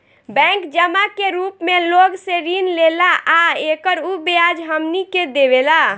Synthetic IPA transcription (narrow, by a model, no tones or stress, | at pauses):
bɛ̃ŋkd͡ʒəmakeɾupmeloɡseɾinlelaʔaekəɾubead͡ʒɦəmniked̪ebela